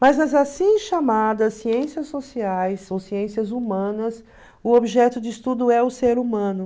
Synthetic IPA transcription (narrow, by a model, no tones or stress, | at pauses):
mɐznɐzasĩʃamad̪ɐsːiẽsiɐsːosiajsõw̃siẽsiɐzumɐ̃nɐs | ʊobiʒɛt̪ʊd͡ʒɪist̪ud̪ʊɛʊseɾumɐ̃nʊ